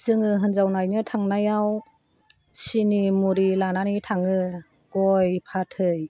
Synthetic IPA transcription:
sɯŋɯɦɯnzawnajnɯtʰaŋnajaw | sinimuɾilananitʰaŋɯ | ɡ̥ɔjpʰatʰɯj

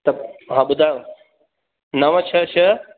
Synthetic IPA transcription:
t̪ɐɦãːɓʊd̪ʱaj̃ | nɐʋə̃t͡ɕʰɐt͡ʃʰɐ

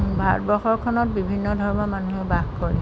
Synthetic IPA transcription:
bʱa̰tbɔxɔɹkʰɔnɔt̚bibʱinːɔdʱɔɹɔmɔmanuɦɛbaxkɔɹɛ̰

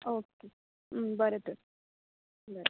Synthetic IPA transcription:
oːke | bəɾet̪əɾ | bəɾe

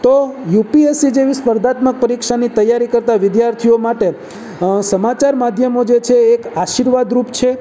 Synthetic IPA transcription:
t̪ojupiesid͡ʒeʋispəɾd̪at̪mək̚pəɾikʃanit̪əjːaɾikəɾt̪aʋɪd̪jaɾt̪ʰijomaʈe | səmat͡ʃaɾmad̪ʱjəmod͡ʒet͡ʃʰeːkaʃiɾʋad̪ɾupt͡ʃʰe

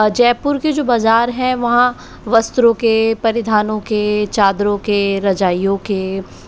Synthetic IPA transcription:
d͡ʒɛːpʊɾked͡ʒoːbaːzaːɾɦɛ̃ʋɐɦã | ʋɐst̪ɾõkepɐɾɪd̪ʱaːnõket͡ʃaːd̪ɾõkeɾɐd͡ʒaːijõke

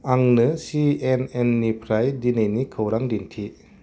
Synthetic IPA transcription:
aŋnɯsienenːipʰɾajdinɯjnikʰɯwɾaŋdintʰi

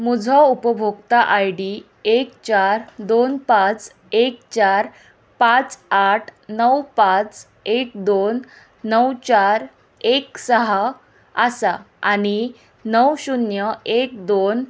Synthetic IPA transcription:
mud͡zʱɔupəbʱoɡt̪aʔajɽi | ekt͡ɕaɾd̪onpãt͡s | ekt͡ɕaɾ | pãt͡saʈʰnəwpãt͡s | ekd̪onː | əwt͡ɕaɾ | eksəɦa | əsa | aɽ̃i | nəwɕunjəek̚d̪on

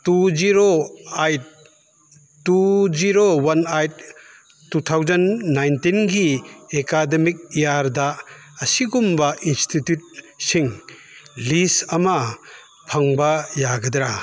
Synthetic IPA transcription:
tuziɾoajt̚ | uziɾowɐnajt̚ː | ut̪ʰawzɐnːajntinɡiekademik̚ijaɾdaː | siɡumbɐʔinstitjut̚ | siŋ | lisɐmɐ | pʰaŋbɐjaɡɐdɾa

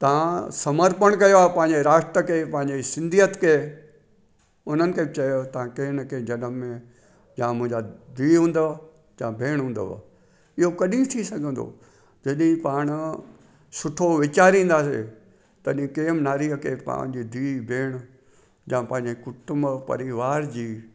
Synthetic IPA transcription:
t̪ɐʋ̤ãsɐməɾpəɽ̃kɐjoaːpɐ̃ɦɪ̃ɲd͡ʑeɾaːʃʈ̪ɾəkʰeːpɐ̃ɦɪ̃ɲd͡ʑesɪ̃nd̪ʱijət̪kʰeː | ʊn̤ənɪ̆kʰeːbɪt͡ɕɐjot̪ɐʋ̤ãkeːñkʰẽːd͡ʑɐnəmːẽ | jãːmʊ̃ɦɪ̃ɲd͡ʑad̪ʱiːɦũːnd̪a | jãːbʱeːɽ̃ɦũːn̆d̪a̰ | ɪɦokɐɗit̪ʰisɐɡʱə̃nd̪o̰ | d͡ʑɐɗĩpaːɽ̃ʊ | sʊʈʰoʋɪt͡ɕaːɾĩːn̆d̪aːsḛ | t̪ɐɗĩkeːmnaːɾiəkʰeːpã̰ːd͡ʑiːd̪ʱiːbʱeːɽ̃ | jãːpɐ̃ɦɪ̃ɲd͡ʑekʊʈʊmbpɐ̰ɾiʋaːɾd͡ʑiː

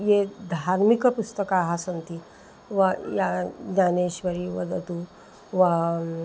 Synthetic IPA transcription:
jed̪ʱaɾmikəpust̪əkaɦasənt̪i | ʋajaaneɕʋəɾiʋɐ̰d̪ət̪u | ʋa

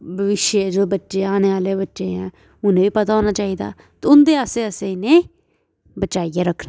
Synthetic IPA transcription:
bəʋɪʃjd͡ʒoːbətːʃeːaːneːʋaːleːbətːʃeːɦɛ̃ː | ʊnẽːʋiːpət̪aːoːnaːt͡ʃaːiːd̪a̰ː | t̪eʊnd̪eːaːseːəseːneː | bət͡ʃaːijaːɾəkʰːnaː

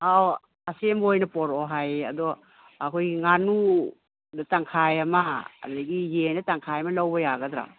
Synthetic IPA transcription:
aw | asembojnɐpɔɾɔɦaja̰dɔ | akʰojiŋanu | dataŋkʰajama̰ːdaɡijendataŋkʰajɐmalawbɔjaɡɐdɾa̰

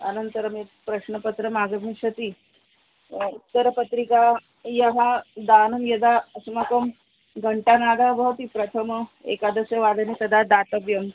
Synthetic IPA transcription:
ənənt̪əɾəmipɾəɕnəpət̪ɾəmaɡəmiɕət̪i | ut̪ːəɾpət̪ɾika | jəɦad̪anumjɐd̪asumakəm | ɡʱəɳʈanad̪ʱabəɦt̪ipɾət̪ʰəmḛkad̪əsjəʋad̪ʱənit̪ɐd̪ʱad̪at̪əʋjəm

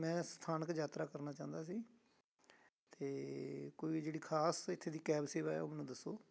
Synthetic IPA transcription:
mɛ̃ːst̪ʰaːnəkd͡ʒaːt̪ɾaːkəɾnaːt͡ʃãːnd̪aːsiː | t̪eːkoːiːd͡ʒeːɽiːkʰaːsɪt̪ʰːeːd̪iːkɛːbseːʋaːɛ̰ːʊmnũːd̪əsːoː

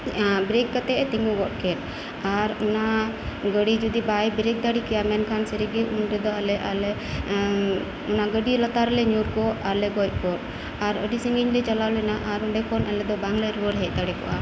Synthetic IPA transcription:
bɾekːat̪ɛʔt̪iŋɡuɡɔt̚kɛt̪̚ | aɾɔna | ɡəɽid͡ʒud̪ibajbɾek̚d̪aɽikɛjamɛnkʰansəɾiɡɛʔunɾɛd̪ɔalɛʔalɛ | unaɡəɖilət̪aɾɛlɛɲuɾkɔaɾlɛɡɔc̚ˀkɔt̚ | aɾə̰ɖisəŋɡiɲlɛt͡ʃalawlɛnaʔaɾuɳɖɛkʰɔnɛlɛd̪ɔbaŋləɾuwəɾɦɛc̚d̪aɽɛkɔ̰ʔa̰

